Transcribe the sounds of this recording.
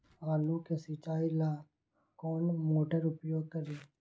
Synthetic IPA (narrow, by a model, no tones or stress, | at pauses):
aːluːkeːsət͡ʃaːilaː | koːnmoːʈəɾʊpjoːɡ̚kəɾeː